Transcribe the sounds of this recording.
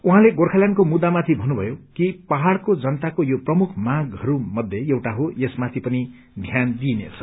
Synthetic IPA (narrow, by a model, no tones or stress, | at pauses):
uɦãleɡorkʰaljankomud̪ːamat̪ʰibʱʌnːubʱʌjokipaɦaɽkod͡zʌnʌt̪akojoprʌmukʰmãɡɦʌɾumʌd̪ʱjejewʈaɦojesmat̪ʰipʌni | d̪ʱjand̪inḛt͡sʰʌ̥